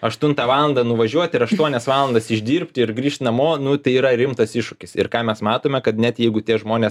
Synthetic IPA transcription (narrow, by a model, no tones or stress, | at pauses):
ɐʃt̪ʊnt̪ɑʋɑːlˠɐnd̪ɐnʊʋɐʒʲuɔt̪ʲɪɾɐʃt̪uɔnʲɛsʋɑːlˠɐnd̪ɐsɪʒʲd̪ʲiːrʲpʲt̪ʲɪɪɾɡɾʲiːʃʲt̪ʲnɐmoːnʊt̪ɐɪiːɾɐɾʲɪmt̪ɐsɪʃʃʊkʲɪsɪɾkɑːmʲɛsmɑːt̪oːmʲɛkɐt̪nʲɛt̪jɛɪɡʊt̪ʲiɛʒmoːnʲeːs